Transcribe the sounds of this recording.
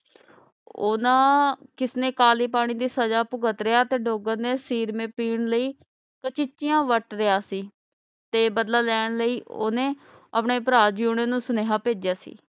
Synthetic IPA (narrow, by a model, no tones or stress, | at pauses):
ʊ̰nãːkɪsnẽːkaːliːp̬aːɽ̃ĩːd̪iːsəd͡ʒaːpʊɡət̪ɾɪaːt̪eːɖoːɡəɾneːsiːɾmẽːpiːɳləiː | kət͡ʃɪt͡ʃːɪjãːʋəʈɾɪjaːsiː | t̪eːbəd̪laːlɛːɳ̃ləiːoːnẽː | əpɳeːpɾaːd͡ʒuːɳẽːnũːsneːɦaːpeːd͡ʒjaːsḭː